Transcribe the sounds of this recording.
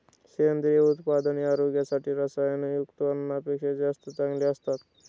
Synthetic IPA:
send̪ɾijeut̪pad̪əniaːɾoɡjasaʈʰiɾɐsajɐnujukt̪ʋɐnənapekʃed͡ʒast̪ət̪ãŋɡliɐst̪at̪

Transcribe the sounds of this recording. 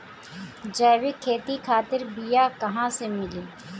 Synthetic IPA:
d͡ʒəːʋɪkʰːeːt̪ikʰaːt̪ɪɾbijakɐɦãːsemɪliː

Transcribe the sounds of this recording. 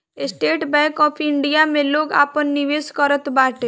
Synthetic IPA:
esʈeːʈbɛ̃jkɔːpʰɪɳɖijamẽloːɡa̰ːpənːiʋeskəɾət̪baːʈe

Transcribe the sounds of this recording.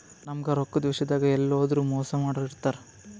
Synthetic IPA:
nɐmɡɐɾokːud̪ʋɐʃɐd̪aːɡɐɛlːoːd̪ɐɾuːmɔːsɐmaːɽoːliɾt̪ːaːɾe

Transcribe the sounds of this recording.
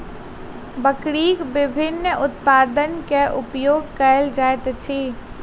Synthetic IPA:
bəkɽiːkbɪbʱɪnːəʊt̪paːd̪ənkeʔʊpjoːɡ̚kəəld͡ʒaːjt̪t͡ʃʰi

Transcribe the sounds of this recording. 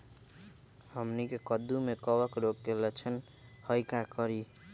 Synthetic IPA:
həmnikekəd̪umekʌbəkɾokɡelet͡ʃʰən | həjkakʌɾi

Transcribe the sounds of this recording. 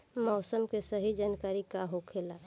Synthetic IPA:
mɔːsəmkesəɦid͡ʒankaɾikaɦokʰela

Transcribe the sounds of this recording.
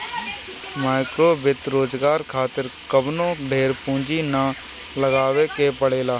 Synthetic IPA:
maːɪkɾoːbɪt̪ɾoːd͡ʒɡaːɾkʰaːt̪ɪɾkəbnõːɖʱeːɾpũːd͡ʒina | ləɡaːʋekepəɽeːlaː

